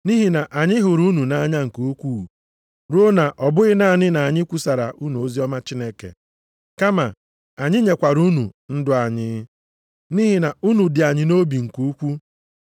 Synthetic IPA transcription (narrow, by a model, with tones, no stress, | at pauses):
ni˦ɦi˨na˨ʔa˨ɲɪ˦ɦʊ˨ɾu˦nu˨na˦a˦ɲa˦ŋ̩˨ko˨˦kʷu˦˨ | ɾo˦na˨ʔɔ˨bʊ˦ɣɪ˦na˦a˨ɲɪ˦na˨a˨ɲɪ˦kʷu˦sa˨ɾa̰˨ʔu˦nu˨o˦zi˦ɔ˦ma˦t͡ʃi˦ne˦kḛ˨ | ka˦ma˨ | a˨ɲɪ˦ɲe˨kʷa˨ɾu˦nṵ˨n̩˦dʊ˦a˨ɲɪ˦ | ni˦ɦi˨na˨u˦nu˨dɪ˨a˨ɲɪ˨no˦bi˨ŋ̩˨ku˦kʷu˦